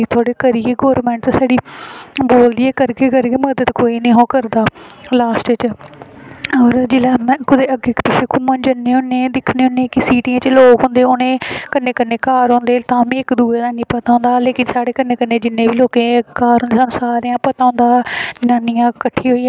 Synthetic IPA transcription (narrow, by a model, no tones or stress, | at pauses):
it̪ʰoːɽeːkəɾiːeːɡoːɾmɛ̃ːɳʈt̪ːsaːɽiːboːld̪ɪeːkəɾkeːkəɾkeːməd̪ət̪koːiːnẽːɦõːkəɾd̪aːlaːsʈt͡ʃ | ɔːɾd͡ʒɪlaːmɛ̃ːkʊd̪eːəɡeːkpɪʃʰeːkʰʊmə̃nd͡ʒənːeːɦʊ̃nːẽːd̪ɪkʰneːɦʊ̃nːẽːkɪsiːʈiːãːt͡ʃloːkɦõnd̪eːonẽːkənːẽːkənːeːkaːɾɦõːnd̪eːt̪ãːmĩːɪkd̪uːɾeːd̪ãːnĩːpət̪aːʊ̃ːnd̪aːleːkɪnsaːɽeːkənːeːkənːeːd͡ʒɪnːẽːbiːloːkẽːkaːɾɦoːnd̪eːsansaːɾejãːpət̪aːõːnd̪aːd͡ʒɪnaːnijãːkəʈʰːeːɦoːiː